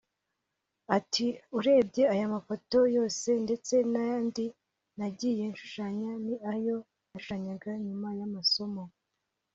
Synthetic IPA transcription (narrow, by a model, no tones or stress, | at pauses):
atʰiuɾe̞ːbɟe̞ajamafo̞to̞jo̞ːse̞nde̞t͡se̞najaːndi | naɟiːje̞nʃu̥ʃaɲaniʔajo̞ | naʃaɲaɡaɲumajamaso̞mo